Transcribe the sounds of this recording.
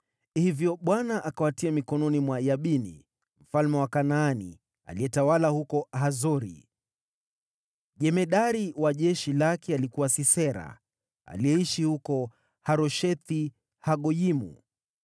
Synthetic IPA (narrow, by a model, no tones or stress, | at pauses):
hivjɔɓwanaʔakawatiamikɔnɔnimwajaɓinḭ | m̩falmɛwakanaːnḭ | a̰liɛtawalahukɔhazɔɾḭ | ʄɛmɛɗaɾiwaʄɛʃilakɛalikuwasisɛɾa̰ | a̰liɛiʃihukɔ | haɾɔʃɛt̪i | haɠɔjimṵ